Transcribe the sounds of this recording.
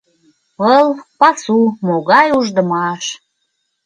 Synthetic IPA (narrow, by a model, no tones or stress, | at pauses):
ɤlpɑsumoɣɑjuʒd̪əmɑʃ